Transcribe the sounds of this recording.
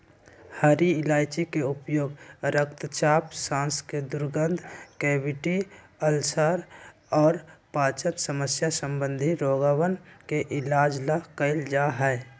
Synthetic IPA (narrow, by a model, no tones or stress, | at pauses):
haɾiɪlaːɪt͡ʃikeʊpjoːɡɾək̚t̪t͡ʃaːpsãːnsked̪ʊɾɡənd̪ʱkeːbɪʈi | əlsaːɾ | ɔːɾpaːt͡ʃənsəməsjasəmbə̃nd̪ʱiɾoːɡəwənkeʔɪlaːd͡ʒlakəɪld͡ʒaɦɛː